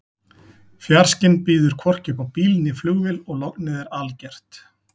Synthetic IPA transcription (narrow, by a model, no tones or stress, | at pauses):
fjaɾ̥scɪnpiːðʏɾ̥kʰvɔr̥cɪpawpiːlnɪflʏɣvɪlɔɣlɔknɪðɛɾalcɛr̥t̪